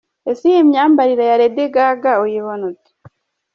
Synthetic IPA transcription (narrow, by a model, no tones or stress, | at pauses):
esijemɲaːmbaɾiɾajaɾedeɡaːɡaojiβonot͡se̥